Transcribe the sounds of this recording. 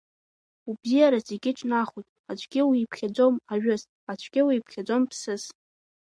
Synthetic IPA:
ubzijaɾazeɡʲɪʈ͡ʂʼnaχujtʼat͡ʃʷʰʼɡ̥ʲɪwiːpʰχʲad͡zʷomaɥᶣʊz | at͡ʃʷʰɡʲɪwiːpʰχʲad͡zo̞mpʰsɨz

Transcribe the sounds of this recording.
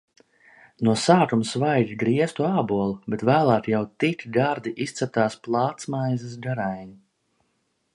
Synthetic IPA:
nuɔsaːk̪umsvajd̪ʲiɡɾiɛst̪uaːbuɔlˠubet̪væːlˠæːt̪jawt̪it̪ʲiɡ̪aɾd̪iʔist̪sɛp̚t̪aːsplˠɑːt̪smajzas̬ɡaɾajɲi

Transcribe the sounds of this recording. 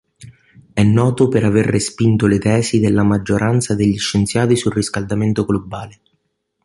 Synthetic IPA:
ɛnːɔːt̪opeɾaverːespint̪olet̪ɛːsid̪elːamad͡ʒːoɾʔant̪sad̪eʎːiʃːent̪sjaːt̪isulrːiskald̪ament̪oɡlobːaːle

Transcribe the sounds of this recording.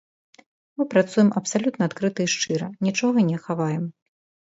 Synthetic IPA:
mɨpɾat̪sujɛmʔɐpsalʲut̪nɐat̪kɾɨt̪ɐiʂt͡ʂɨɾɐnʲit͡ʂɔɣɐnʲɛxavajɛm

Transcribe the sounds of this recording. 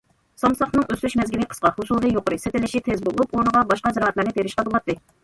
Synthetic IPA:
sɑmsɑχnɨŋøsyʃmɛzɡʲiliqʰə̥sqɑhusulˠɨjoqʊɾɨset̪ɪlɪʃit̪ʰezbolˠuponəʁɑbɑʃqɑzɨɾɑɦɛt̪lˠɨɾnɨt̪ʰeɾɪʃqɑd̪olˠɑt̪ːɨ

